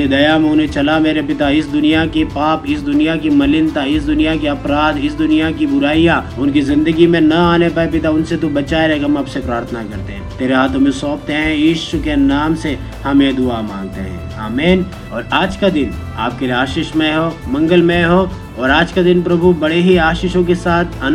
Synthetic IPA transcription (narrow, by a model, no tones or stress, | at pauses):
ed̪ɐjamonẽt͡ʃɐlameːɾepɪt̪aɪsd̪ʊnijakepaːpɪsd̪ʊnijak̬imɐlɪnt̪aɪsd̪ʊnijak̬eɐpɾaːd̪ɪsd̪ʊnijakibʊɾaːijaʊnkizɪ̃nd̪əɡimẽnɐaːnepaepɪt̪aʊnset̪ubɐt͡ʃaːeɾɛɦekɦɐmɐpsepɾaːɾt̪ʰənakɐɾt̪eɦɛ̃t̪eːɾeɦaːt̪ʰõmẽsɔːpt̪eɦɛ̃jiːʃʊkenaːmse | hɐmẽd̪ʊamãːŋɡ̚t̪eɦɛ̰̃ː | aːmeːn | ɔːɾaːd͡ʒkad̪ɪna̰ːp̚kelieaːʃɪʃmẽɦoːmɐ̃ŋɡəlmẽɦo | ɔːɾaːd͡ʒkad̪ɪnpɾɐbʱubɐɽeɦiaːʃɪʃõkesaːt̪ʰɐn